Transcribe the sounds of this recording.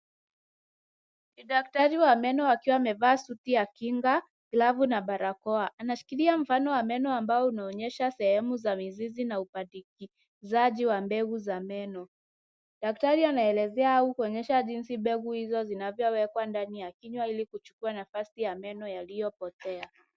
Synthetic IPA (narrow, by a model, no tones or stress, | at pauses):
niɗak̚taɾiwamɛnɔwakiwaːmɛvaːsutiakiŋɡa | ɡlavunaɓaɾakɔaʔanaʃu̥kiliam̩fanɔwamɛnɔambaɔunaɔɲɛʃasɛhɛmuzamizizinaupadiki | zaʄiwambɛɡuzamɛnɔ | ɗak̚taɾianaɛlɛzɛaaukuɔɲɛʃaʄinsiɓɛɡuhizɔzinavjɔwɛkwandanijakiɲwailikut͡ʃu̥kuanafasijamɛnɔjalijɔpɔtɛa